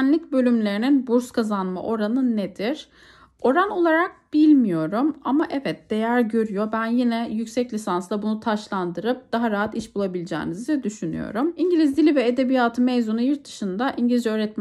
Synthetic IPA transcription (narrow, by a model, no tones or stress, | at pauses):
nlʲic̚bø̞lʲymlʲe̞ɾininbuɾskʰazanma̰ʔo̞ɾanɯned̪iɾ̥ | o̞ɾano̞lˠaɾak̚b̥ilʲmijo̞ɾumamaʔɛvɛt̪̚d̪̥e̞jæɾɟø̞ɾyjo̞bænjinɛjycʲsɛclʲisanslˠabunut̪ʰaʃlˠand̪ɯɾɯp̚d̪̥aɦaɾaɦat̪iʃbulˠabilʲid͡ʒɛ̰ːnizd̪ɛd̪yʃyny̰jo̞̰ɾumiɲɟilʲizd̪ilʲivɛed̪e̞bijaːt̪ʰɯmejzonujɯɾt̪̚d̪ɯ̥ʃɯnd̪aʔiɲɟilizd͡ʒɛøːɾɛt̪̚m